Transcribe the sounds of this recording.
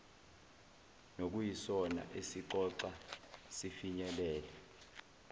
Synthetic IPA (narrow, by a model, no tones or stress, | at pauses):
nok̬ujisɔna̰ʔesiǃɔǀasifiɲɛlɛːlɛ